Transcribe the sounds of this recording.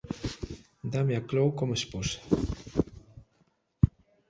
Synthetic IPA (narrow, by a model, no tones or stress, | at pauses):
d̪ameaklowkomesposḁ